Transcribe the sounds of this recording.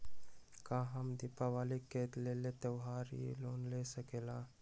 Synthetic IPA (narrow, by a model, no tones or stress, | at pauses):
kãɦəmd̪ipaʋaːlekeːt̪lelet̪əwɦaːɾḭloːnlesəkeːlaː